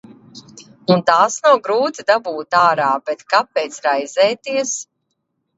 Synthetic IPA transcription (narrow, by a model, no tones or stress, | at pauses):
unt̪aːsnawɡɾuːt̪id̪abuːt̪aːɾaːbɛt̪kapɛːt̪sɾajzɛːt̪iɛs